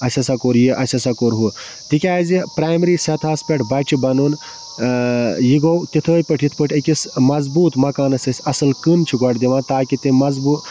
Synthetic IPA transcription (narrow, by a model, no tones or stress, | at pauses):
ɐsʲɐsakoːɾjiʔɐsʲɐsakoːɾɦu | t̪ikʲaːzipɾaːjmɾiːsʲɐt̪ʰaːspʲɐʈʰbɐt͡ʃʰibɐnon | jiɡowt̪it̪ʰəːjpəʈʰjit̪ʰpəʈʰɐkʲismɐzbuːt̪mɐkaːnɐsʲɐsʲɐsɨlkɨnt͡ʃʰiɡɐʈd̪iʋãːt̪aːkit̪ĩmɐzbuː